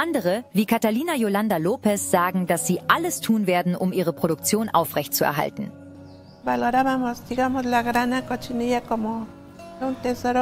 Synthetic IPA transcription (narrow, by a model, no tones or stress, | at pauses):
ʔandəʁ̞əviːkʰataliːnajolandaloːpɛsz̥aːɡŋ̩dasz̥iːʔaləstʰuːnveːɐdn̩ʔʊmʔiːʁ̞əpʁ̥oɾʊk̚t͡sjoːnʔa̰ʊfʁɛçtt͡suɛ̰ɐɦa̰ltn̩ | baloɾamamost̪ikamoslaɡɾanakot͡ʃinijakomo | unt̪esoɾo